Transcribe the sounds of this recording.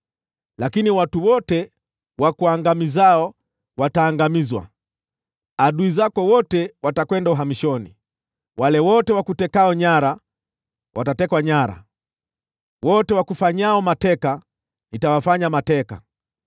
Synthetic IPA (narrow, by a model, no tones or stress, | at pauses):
lakiniwatuwɔtɛ | wakuaŋɡamizaɔ | wataːŋɡamizwa̰ | aɗuizakɔwɔtɛwatakwɛndauɦamiʃɔnḭ | walɛwɔtɛwakutɛkaɔɲaɾa | watatɛkwaɲaɾa̰ | wɔtɛwakufaɲaɔmatɛka | nitawafaɲamatɛka̰